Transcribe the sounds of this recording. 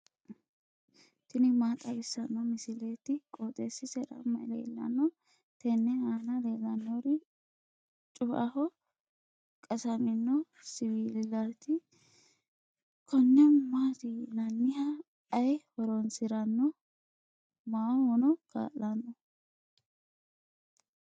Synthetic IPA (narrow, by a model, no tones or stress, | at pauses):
t̪ɪnɪmaːt̪ʼɐɡɪsːɐnːɔmɪsɪlet̪ɪkʼoːt̪ʼesɪsɛɗɐ̰mːɐjlḛːlːɐ̰nːɔ | t̪ɛnːɛaːnɐleːlːɐnːɔɾɪ | t͡ʃʼʊʔɐhɔ | kʼɐsɐmɪnːɔ | sɪwiːllat̪ɪ | kʰɔnːɛːaːt̪ilɐnːɪhɐ | ɐjhɔɾɔnsɪɾɐnːɔ | maːhɔnɔka̰ːʔːɐnːɔ